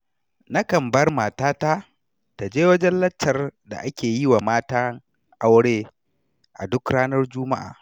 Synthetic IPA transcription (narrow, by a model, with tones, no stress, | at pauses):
na˦kɐ˨mbɐ˦rmaː˨taː˦ta˦ | ta˨d͡ʒeː˦wɐ˦d͡ʒɛ˦nlɐ˦t͡ʃːɐ˨rda̰˨ʔa˦kʲeː˨ji˦wa˨maː˦taː˦ŋ | ʔa˦wɽeː˦ | ʔa˨dʊ˦kɽaː˦nɐ˦rd͡ʒʊ˦ma˦ʔa̰ː˨